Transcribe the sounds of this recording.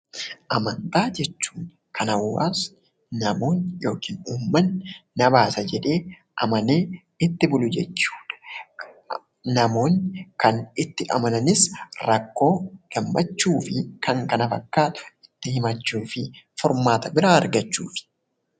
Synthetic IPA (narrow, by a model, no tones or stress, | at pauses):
ʔɐmɐnt̪aːd͡ʒɛt͡ʃːu̥ːŋ | kʰɐnɐwːa̰ːs | nɐmo̞ːnjo̞ːkiːnuːmːɐnːɐbaːsɐd͡ʒɛᶑe̞ː | ʔɐ̰mɐne̞ː | ɪt̪ːɪbʊlʊd͡ʒɛt͡ʃːu̥ːᶑɐ̥ | nɐmo̞ːnːkɐnɪt̪ːɪʔɐmɐnɐnɪsɾɐkːo̞ːɡ̥ɐmːɐt͡ʃːuːfɪkʰɐŋkɐnɐfɐkːaːt̪ʊ̥ɪt̪ːɪhɪmɐt͡ʃːuːfɪfɔɾmaːt̪ɐbɪɾaːɐɾɡɐt͡ʃːuːfɪ̥